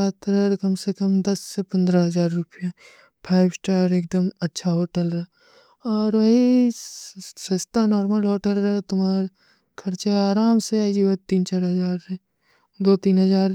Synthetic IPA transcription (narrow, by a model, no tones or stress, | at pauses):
at̪ɾəɾkɐmsekəmd̪ɐsːepɐ̃nd̪ɾaɦɐzaːɾːʊpja | pʰaːɪbsʈaːɾeːk̚d̪əmɐtːʃʰaɦoːʈəlɾ | ɔːɾʋɐɦi | sest̪anɔːɾməlɦoːʈəlɾɐt̪ʊmaːɾ | kʰɐɾt͡ʃeaːɾaːmseaid͡ʒiʋɐt̪iːnt͡ʃaːɾɦɐzaːɾe | d̪oːt̪iːnɦɐzaːɾ